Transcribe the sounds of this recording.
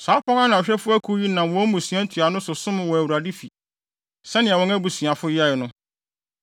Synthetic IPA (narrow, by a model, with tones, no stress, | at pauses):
saː˨˦pɔ̃˦ŋa˦nã˨ɔ˨ɕᶣɛ˦fʊ˦æ˦kʰu˦ji˦nã˨mwɔ̃˨˦mũ˨sɥã˦n̩˦tʰɥa˨nʊ̃˦sʊ˨sʊ̃˦mʊ̃˨wɔ˨æ˨wu˨ɾa˨dɪ˦fi˨ | sɛ˦nɪ̃˨ɛ˨wɔ̃˦ŋæ˦bu˨sĩ˨a˨fʊ˦jɪ˦a˦jɪ˨nʊ̃˦